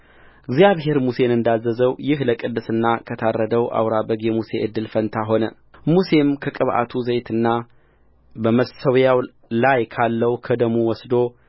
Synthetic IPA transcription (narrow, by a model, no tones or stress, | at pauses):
ʔɨɡzijaβɦe̞ɾmuse̞nɨnd̪azːəzəwjɪhləkʼɨd̪ːɨsɨnːakʰət̪ʰarːəd̪əwʔa̰wɾabəɡjɛmuse̞ʔɨd̪ːɨlfənt̪ʰaɦo̞nə | muse̞mkʰəkʼɨβʔa̰t̪ʰuzəjt̪ʰɨnːa | bəməsəwjaw | lajkʰalːəwkʰəd̪əmuwɔsd̪o̞